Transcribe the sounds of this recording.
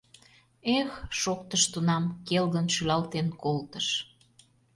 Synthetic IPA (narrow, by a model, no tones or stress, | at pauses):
exʃokt̪əʃt̪unɑmkelɣənʃylɑlt̪enkolt̪əʃ